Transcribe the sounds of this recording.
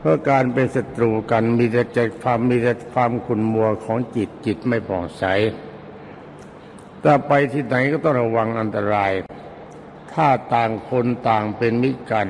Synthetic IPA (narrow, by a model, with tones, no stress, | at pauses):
pʰɯ˦˥ɐkaː˧npe˧nsa˨˦t̪ɾuː˧ka˧nmiː˧ta˧˩t͡ɕɛː˧˩kʰaː˧mːiː˧ta˧˩kʰwaː˧mkʰu˨˩nmu˧ɐkʰɔː˩˦ŋt͡ɕi˨˩t̪̚t͡ɕi˨˩t̪̚ma˥˩jpʰɔː˨˩ŋt͡ɕʰa˨˦˥j | t̪ɛː˧˩pa˧jt̪ʰi˨˥˩na˩˦jkɔː˥˩t̪ɔ˥˩ŋɾa˧wa˧ŋʔa˧nt̪a˧ɾaː˧j | t̪ʰaː˥˩t̪aː˨˩ŋkʰo˧nt̪aː˨˩ŋpe˧nmi˦˥ka˧n